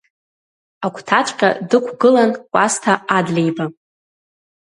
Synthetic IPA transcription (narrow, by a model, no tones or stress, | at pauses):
akʷʰtʰat͡ʃʷʼqʲʼa̰dɨkʷʰɡɨlankʷʼastʰaadlejba